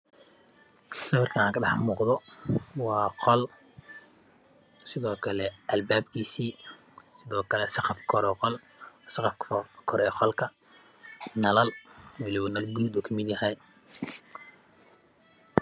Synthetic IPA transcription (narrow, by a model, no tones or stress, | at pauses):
sɐwɪrkʰɐãːŋkʰɐɖɑħmuːqðɔwɑːqʰɔl | sɪðɔːkʰɐlɛɐlbaːb̚kʰiːsiː | sɪðɔːkʰɐlɛsɑqɑfkʰɔɾɛqɔlː | sɑqɑfkʰɔɾɛːqɔlkʰɐ | nɐlɐlwɑlɪwɐnɐlɡud̪uːkʰɐmɪd̪jɐhɛj